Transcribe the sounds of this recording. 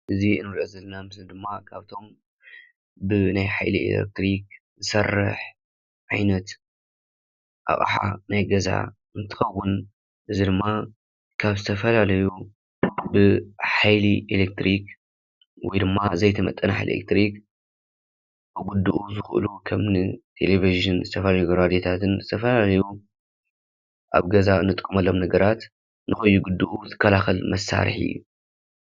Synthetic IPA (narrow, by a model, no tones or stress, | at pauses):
ʔɨziɨnɨɾʔɐzɐlːɐnamɨsnɨd̪ɨmːakʰaβt̪ʰo̞m | bɨnajħa̰jlḭḛlḛk̚t̪ɾik | zɨsɐrːɐ̰ħ | ʕajnɐt̪ | ʔa̰χʼa̰ħa̰najɡɐza̰ | ʔɨnt̪ʰɨ̥xɐwːʊn | ʔɨzid̪ɨmːa | kʰaβzɨt̪ʰɐfɐlalɐju | bɨħajliʔelek̚t̪ɾik | wɔjd̪ɨmːazɐjt̪ʰɐmɐt̪ʼːɐnaħḛlḛk̚t̪ɾik | bɨɡud̪uʔuzɨxʔɨ̰lukʰɐmnɨt̪ʰeleviʒɨnzɨt̪ʰɐfɐlaɐjuɡɐɾad̪jet̪ʰat̪ʰɨnzɨt̪ʰɐfɐlalɐju | ʔa̰βɡɐzaɨnːɨt̪ʼɨkʼːɨmɐlːomnɐɡɐɾat̪ | nɨxɐjːuɡud̪ːuʔut̪ʰɨ̥kʰːɐlaxɐlmɐsːa̰ɾɨ̰ħɨ̰jːṵ